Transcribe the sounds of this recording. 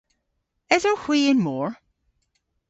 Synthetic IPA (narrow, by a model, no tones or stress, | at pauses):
ɨzə˞hw̥iɨ̃nmɔɹ